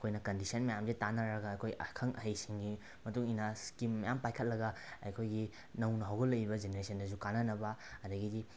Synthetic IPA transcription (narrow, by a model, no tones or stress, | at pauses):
kʰojnɐkɐndisɐnmɐjamzitanaɾɐɡɐɐjkʰojʔɐ̰kʰɐŋʔɐ̰ɦɐjsiŋɡi | mɐtuŋinaskimːɐjampajkʰɐt̚lɐɡɐɐ̰jkʰojɡi | nɐwnɐɦawɡɐlɐjibɐd͡ʒeneɾesʰɐndɐzukananɐbɐɐdɐɡidi